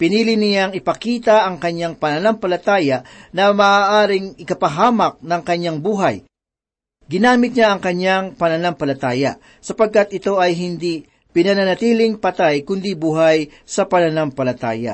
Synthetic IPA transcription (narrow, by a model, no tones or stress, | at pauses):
pɪniːlɪnɪjaŋɪpɐkiːt̪ɐʔɐŋkɐɲːaŋpɐnɐnampɐlɐt̪aːjɐnɐmɐʔaːʔaːɾɪŋɪkɐpɐɦaːmɐk̚nɐŋkɐɲːaŋbuːɦɐj | ɡɪnaːmɪt̪̚ɲaʔɐŋkɐɲjaŋpɐnɐnampɐlɐt̪aːjɐ̰ | sɐpɐɡ̚kat̪ʔɪt̪o̞ʔɐjɦɪnd̪i | pɪnɐnɐnɐt̪iːlɪŋpɐt̪ajkʊnd̪ibuːɦaj | sɐpɐnɐnampɐlɐt̪a̰ːjɐ̰